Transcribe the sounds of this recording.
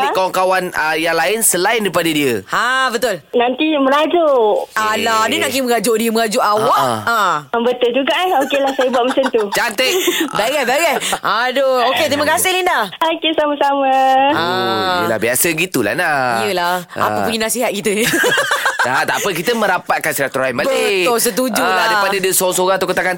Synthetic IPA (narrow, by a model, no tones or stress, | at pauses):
dikawaŋkawanəjaŋlaɪnsəlaɪndɾipadədiəhabət̪ʊlnant̪iməɾad͡ʒoʔalaadənaŋk̬ɪmə̃ɣad͡ʒʊʔdiəməŋad͡ʒʊʔawaʔaəbət̪ʊld͡ʒuɡaʔokelahsajabuat̪̚məsənt̪ut͡ʃant̪ɪkbaɡɛhbaɡɛhʔadooket̪ɾiməkasɪhlindaokesamasamaaə̰la̰hbiasəɡit̪ula̰hnaijəlaha̰pəpəŋinasiɦat̪̚kit̪ə | dat̪apəkit̪əmə̃ɾapat̪̚kansɾak̚t̪ɔɾajnbalbətʊls̬ət̪̬ud͡ʒuladapadadəsoŋsoɾãŋt̪ukət̪akan